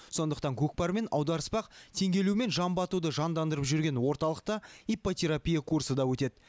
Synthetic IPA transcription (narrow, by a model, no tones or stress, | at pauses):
so̞nd̪əqt̪ɑŋkʲʰɵk̚pɑɾme̞nɑwd̪ɑɾəspɑqt̪ʰe̞ŋɡʲe̞lume̞nʒɑmbɑt̪ud̪əʒɑnd̪ɑnd̪əɾəpʒʏɾɡʲe̞nwo̞ɾt̪ɑlˠəq̚t̪əijpo̞t̪ʲʰe̞ɾapʲijakʰursəd̪ɑwɵt̪e̞d̪